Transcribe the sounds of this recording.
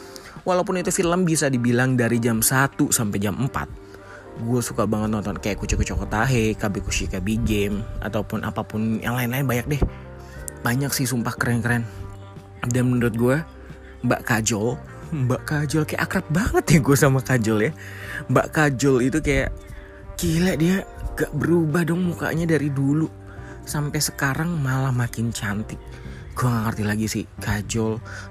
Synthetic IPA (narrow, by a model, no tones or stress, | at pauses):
walaup̬ʊnit̪ufiləmbisadibilaŋdaɾid͡ʒamsat̪usampajd͡ʒamʔəmpa̰t̪̚ | ɡuasukabaŋət̪̚nɔnt̪ɔnkajaʔkut͡ʃukət͡ʃɔkɔt̪aɦekabikuʃikabiɡɛma̰t̪awpʊnʔa̰papʊnjʔa̰ŋlaɪnlaɪnbaɲak̚dɛh | b̥aɲaksɪhsumpahkəɾɛnkəɾɛn | danmənuɾʊt̪̚ɡuɛ | mba̰ʔkad͡ʒɔl | mbaʔkad͡ʒɔlkaja̰ʔakɾap̚baŋət̪jɛɡuasamakad͡ʒɔljamba̰ʔkad͡ʒɔlit̪ukaja̰ʔ | kilɛʔdiaŋɡaʔbəɾubahdɔŋmuka̰ʔɲadaɾidulu | sampɛjsəkaɾaŋmalahmakɪnt͡ʃant̪ɪk̚ | ɡ̥uaŋaŋərt̪ilaɡisɪhkad͡ʒɔl